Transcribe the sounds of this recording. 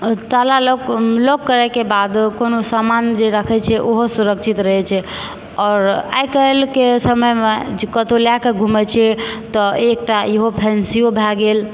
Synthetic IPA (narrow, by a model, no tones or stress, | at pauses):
t̪alaloklokːəɾɛkebad̪konosamand͡ʒeɾəkʰɛt͡ʃʰɛʔoɦosuɾəkt͡ʃʰit̪ɾəɦɛt͡ʃʰɛ | ɔːɾa̰jkəelkesəməjmed͡ʒekət̪oljakeɡʱumɛt͡ʃʰɛt̪ɔek̚ʈaeɦopʰɛnsijobʱɛɡel